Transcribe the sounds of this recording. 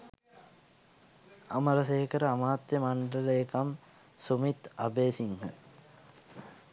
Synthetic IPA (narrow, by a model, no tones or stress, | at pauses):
aməɾəseɦekəɾəamaːt̪jəmaɳɖələekam | sumit̪abeːsiŋhə̰